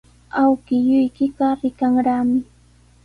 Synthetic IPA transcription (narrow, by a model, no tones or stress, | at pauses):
awkɪjʊjkɪɢɑɾɪkaŋɾaːmɪ